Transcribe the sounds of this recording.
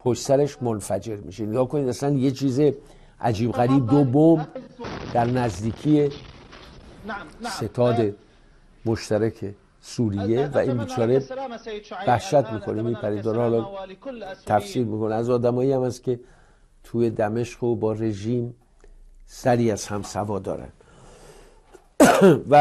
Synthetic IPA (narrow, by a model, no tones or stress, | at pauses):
pʰoʃtsæɾeʃmonfæd͡ʒe̞ɾmḭːʃeneɡɒːhko̞nid̪æslænje̞t͡ʃʰiːze̞ | ʔæ̰d͡ʒiːbɣæɾiːb̚d̪obomd̪̥æɾnæzd̪iːkʰije̞ | se̞t̪ʰɒːd̪e | moʃt̪ʰæɾækʰe̞ | suːɾijːe̞væʔinbit͡ʃʰɒːɾe̞ | væhʃæt̪miːkʰo̞nemiːpʰæɾiːd̪ɒːɾhɒːlɒ | t̪ʰæfsiːɾmiːko̞neæzɒːd̪æmɒːiæmæst̪kʲʰe̞ | t̪ʰuːje̞d̪æme̞ʃqobɒːre̞ʒiːm | sæɾiːæz̥hæmsævɒːd̪ɒ̰ːɾæ̰nd̪̥ | væ